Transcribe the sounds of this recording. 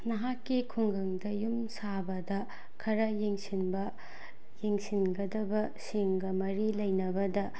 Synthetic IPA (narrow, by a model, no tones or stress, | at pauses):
nɐɦakːikʰuŋɡʱɐŋdɐjumsabɐdɐ | kʰɐɾɐjeŋsinbɐ | jeŋsinɡɐdɐbɐ | seŋɡɐmɐɾilɐjnɐbɐdɐ